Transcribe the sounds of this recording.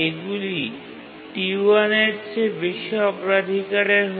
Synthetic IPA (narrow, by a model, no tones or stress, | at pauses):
eɡuli | ʈiuaneɾt͡ɕʰebiʃːoɔpoɾad̪ʱikaɾeɾɦ